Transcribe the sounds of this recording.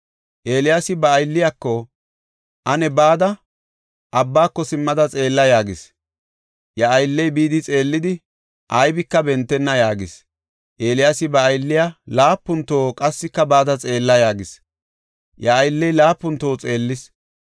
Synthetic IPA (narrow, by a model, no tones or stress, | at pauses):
ʔe̞ːlɪjasɪbɐːjlːɪjakːɔ | ʔɐnɛbaːd̪ɐ | ʔɐbːaːkːɔsɪmːɐd̪ɐt͡sʼe̞ːlːɐjaːɡɪs | jɐːjlːɛjbiːd̪ɪt͡sʼe̞ːlːɪd̪ɪ | ʔɐjbɪkːɐbɛnt̪ːɛnːɐjaːɡɪs | ʔe̞ːlɪjaːsɪbɐːjlːɪjalaːpːʊnt̪oːkʼɐsːɪkːɐbaːd̪ɐt͡sʼe̞ːlːɐjaːɡɪs | jɐːjlːɛjlaːpːʊnt̪ːo̞ːt͡sʼe̞ːlːɪs